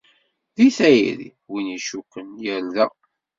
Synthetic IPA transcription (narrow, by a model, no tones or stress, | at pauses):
ðiθæjḭɾḭ | winiʃukːənjəlðæ